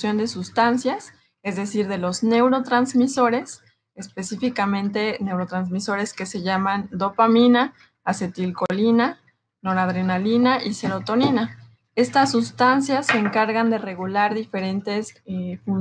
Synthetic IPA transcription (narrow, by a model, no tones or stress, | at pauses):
sjo̞nd̪e̞sust̪ansjas | e̞zðe̞siɾðe̞lo̞zne̞wɾo̞t̪ɾanzmiso̞ɾe̞s | espe̞sifikamẽ̞nt̪e̞ne̞wɾo̞t̪ɾanzmiso̞ɾe̞ske̞se̞ʝamãnd̪o̞pamĩnaː | se̞t̪ilko̞lina | no̞ɾaðɾe̞nalinaʔise̞ɾo̞t̪o̞nĩna | e̞st̪asːust̪ansjasːeːŋkaɾɣand̪e̞re̞ɣulaɾðife̞ɾe̞nt̪e̞sfun